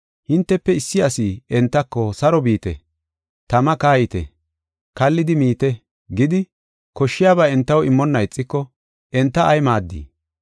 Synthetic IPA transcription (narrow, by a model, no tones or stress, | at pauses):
hɪnt̪ːɛpːɛɪsːɪɐsiːɛnt̪ːɐkːɔsɐɾɔbiːt̪ɛ̰ | t̪ɐmɐkaːjɪt̪ɛ̰ | kɐlːɪd̪ɪmiːt̪ɛ | ɡɪd̪ɪ | kɔʃːɪjaːbaːɛnt̪ːɐwɪmːɔnːɐɪt͡sʼːɪkːɔ | ʔɛnt̪ːɐɐjmaːd̪ːḭː